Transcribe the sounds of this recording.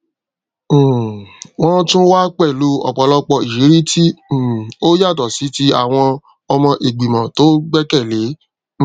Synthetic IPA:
wɔ̃˦tũ˦wa˦k͡pɛ˦˨lu˨˦ɔ̰˨k͡pɔ˨lɔ˧k͡pɔ˧i˨ʃi˨˦ɾi˦tĩ˦˨o˦ja˦˨dɔ˨si˨˦ti˦a˨w̃ɔ̃˧ | ɔ˧mɔ̃˧ʔe˨ɡ͡bi˨mã˨to˨˦ɡ͡bɛ˦kɛ˦˨le˨˦

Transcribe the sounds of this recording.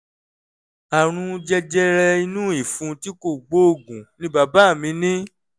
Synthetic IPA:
a˨ɾ̃ũ˧d͡ʒɛ˧d͡ʒɛ˧ɾɛ˧i˧nũ˦i˨fũ˨˧ti˦ko˦˨ɡ͡bo˦o˦˨ɡũ˨nĩ˨˦ba˨˧ba˦˨mĩ˧nĩ˦

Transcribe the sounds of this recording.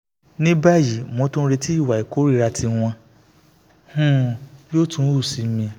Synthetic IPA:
nĩ˦ba˦˨ji˨mõ˧˦tũ˦ɾe˧ti˦i˦˨wa˨i˨ko˨˦ɾi˦ɾa˧tʰi˧w̃ɔ̃˧ | hũ˦jo˦tũ˦u˦˨si˨˦mĩ˧

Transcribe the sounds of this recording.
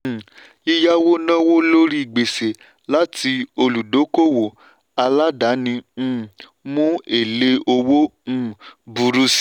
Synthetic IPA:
i˦ja˦wo˦nã˦wo˦lo˦ɾi˦i˨ɡ͡be˨se˨ | la˦tʰi˧o˧lu˨do˨˦ko˦˨wo˨ | a˧la˦da˨˦nĩ˧˦˨ | mũ˦e˦˨le˦o˧wõ˦˨bu˨ɾu˧˦s

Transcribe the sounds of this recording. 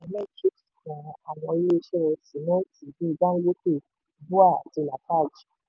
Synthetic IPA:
ɛ˧mɛ̃˦ki˦kskɔ̃˨a˨w̃ɔ̃˧i˦le˦˧˦ʃɛ˦ɛ˧si˨˦nã˦ti˨bi˦i˨˧ba˦n̩˦ɡo˦ke˦˨ | bu˦a˦˨ti˧˨nã˨ta˦˨d͡ʒi̥˨

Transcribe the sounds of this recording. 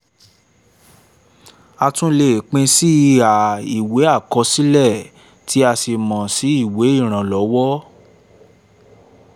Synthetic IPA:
a˧tũ˦le˦˨k͡pẽ˧si˦a˨i˨we˨˦a˦˨kɔ˧si˦lɛ˦˨ | tʰi˨˦a˧se˧mɔ̃˨si˨˦i˦˨we˨˦i˦˨ɾ̃ã˨lɔ˨˦wɔ˦

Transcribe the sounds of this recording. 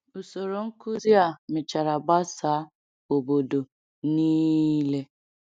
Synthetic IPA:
u˨so˨ɾo˨ŋ̩˦ku˦zi˦a˨mɪ˨t͡ʃa˨ɾa˨ba˦saː˨˦ | o˨bo˨do˨ | niː˦le˦

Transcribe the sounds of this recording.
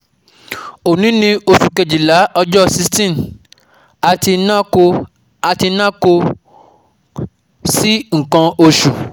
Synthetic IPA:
o˨nĩ˨˦nĩ˧o˧ʃu˨ke˨d͡ʒi˨la˨˦ɔ˧d͡ʒɔ˦si˧stĩ˦˨m | a˧ti˧na˦o˧ | a˧ti˧nã˦ko˧ | si˦ŋ̩˨kã˧o˧ʃu˨

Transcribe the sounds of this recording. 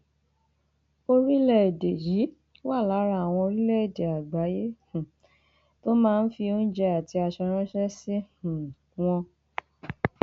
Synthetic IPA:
o˧ɾi˦lɛ˦e˨de˨ji˨˦ | wa˦˨la˨˦ɾa˧˦˨w̃ɔ̃˧o˧ɾi˦lɛ˦e˨de˨a˨ɡ͡ba˨˦je˦h̩˨ | to˦mãː˦˧n̩˦fi˧o˦n̩˦d͡ʒɛ˧a˨ti˧a˧ʃɛ˧ɾ̃ã˦ʃɛ˦sĩ˦˨ | w̃ɔ̃˧

